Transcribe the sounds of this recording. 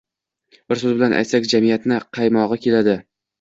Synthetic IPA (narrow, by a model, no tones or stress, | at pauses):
b̥ɪɾsɵzbɪlanʔa̰jt̪sakʲd͡ʒamijat̪nɪqʰɑjmɒʁɨkʲe̞lad̪ɪ